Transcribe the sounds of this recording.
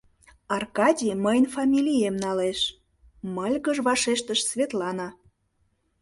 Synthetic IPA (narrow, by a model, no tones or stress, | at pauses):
ɑrkɑdʲiməjnfɑmʲilʲijemnɑleʃ | məlʲɣəʒβɑʃeʃt̪əʃsvʲet̪lɑnɑ